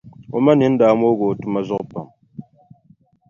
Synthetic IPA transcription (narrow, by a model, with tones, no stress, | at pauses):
o˨ma˦ni˦n̩˦daː˨˦mo˦ɡo˨tɨ˦ma˦zɔ˦ʔpa̰˨m